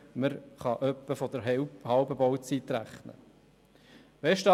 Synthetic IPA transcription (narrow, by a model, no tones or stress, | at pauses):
məɾχɑʔœpːəfɔd̪əɾhɑlbəbɔwt͡sit̪ɾæχnə̰ | vɛʃtɑ